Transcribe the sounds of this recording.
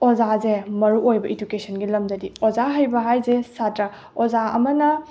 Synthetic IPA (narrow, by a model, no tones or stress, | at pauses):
ozazemɐɾuojbɐʔed͡ʒukesʰɐnɡilɐmdɐdiozaɦajbɐɦajzesatɾɐ | ozaɐ̰mɐnɐ